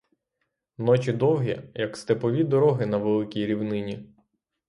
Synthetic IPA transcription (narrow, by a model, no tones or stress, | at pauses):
nɔt͡ʃʲid̪ɔwɦʲijɐkst̪epɔʋʲid̪ɔɾɔɦɪnɐʋelˠɪkʲijɾʲiwnɪnʲi